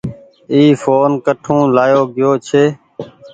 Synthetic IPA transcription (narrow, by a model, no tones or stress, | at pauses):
iːfoːnkəʈʰũːlaːjoːɡɪjoːt͡ʃʰeː